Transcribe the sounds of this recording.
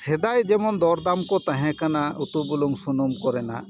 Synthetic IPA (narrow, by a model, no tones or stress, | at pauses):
sɛd̪ajd͡ʒɛmɔnd̪ɔɾd̪amkɔt̪ãɦɛ̃kanaut̪ubuluŋsunumkɔɾɛna̰